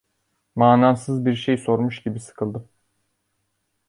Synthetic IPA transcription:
maːnamsɯzbiɾʃejso̞ɾmuʃɟibisɯ̥kʰɯlˠd̪ɯm

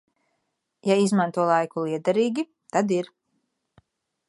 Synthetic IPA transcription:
jaizmãnt̪uɔlˠajkulˠiɛd̪aɾiːɡʲi | t̪ad̪iɾ

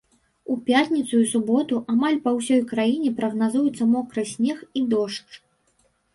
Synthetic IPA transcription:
upʲjat̪ʲnʲit̪sujsubɔt̪uʔamalʲpɐwsʲɔjkɾajinʲɛpɾɐɣnazujut̪sːɐmɔkɾɨsʲnʲɛxid̪ɔʂt͡ʂ

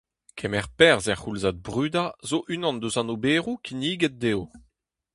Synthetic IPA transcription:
kʰɛmɛʁpɛʁzɛʁχulzat̪̚bʁyːd̪azoʔynɑ̃nd̪øzãnobeːʁukʰiniːɡɛt̪̚d̪eːo

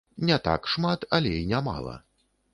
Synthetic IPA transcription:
nʲɛt̪a̰kʂmat̪ɐlʲɛinʲama̰lˠɐ̰

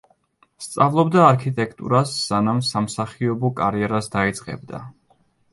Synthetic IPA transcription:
st̪sʼavlˠɔbd̪aːɾkʰit̪ʼɛkʰt̪ʼṵɾasːanamsamsaχiɔbɔkʼaɾiɛɾasd̪ait̪sʼqʼɛ̰bd̪a̰

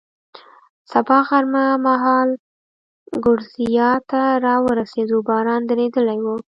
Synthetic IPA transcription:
sabɑɣaɾmamaɦɑl | ɡʊɽzijɑt̪aɾɑwəɾased̪obɑɾɑnd̪aɾed̪əlajwu

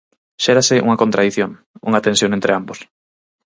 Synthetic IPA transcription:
ʃɛɾasɪʔṵŋɐkont̪ɾaðiθjoŋ | ṵŋɐat̪ẽnsjoŋent̪ɾɪambos

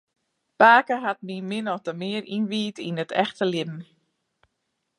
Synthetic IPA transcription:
paːkəɦat̚mimɪnɔxtəmɪərinʋiːtinətʰɛ̰xtəlɪbn̩

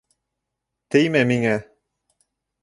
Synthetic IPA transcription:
t̪ejmæmiŋæ

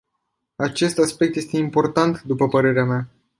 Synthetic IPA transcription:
at͡ʃe̞st̪aspek̚t̪je̞st̪e̞impo̞rt̪ant̪d̪upəpəɾe̞ɾeamea

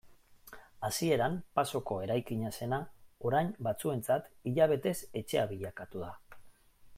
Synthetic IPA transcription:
asie̞ɾampaso̞ko̞e̞ɾajkiɲase̞nao̞ɾajbat͡sue̞nt͡sat̪iʎaβ̞e̞t̪e̞se̞t͡ʃe̞aβiʎakat̪uða

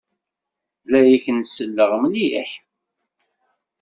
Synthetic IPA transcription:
læjiçənsəlːəʁmlijə̰ħ

